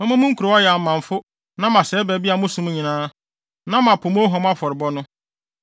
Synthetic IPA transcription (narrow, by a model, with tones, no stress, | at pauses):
mɔ̃˦mã˦mʊ̃˦ŋ̩˦kʰu˨ɾɔ˨˦ɔ˦jɛ˨a˨mːã˨ɱ˨fʊ˦ | nã˦mã˨sɛː˨˦bɛ˨˦bi˦a˨mʊ̃˦sũ˨˦m˦ɲĩ˨nãː˦ | nã˦mã˨pʰʊ˨mɔ̃˦ɦɔ̃˨m˦a˦fɔ˨ɾɪ˨bɔ˦nʊ̃˦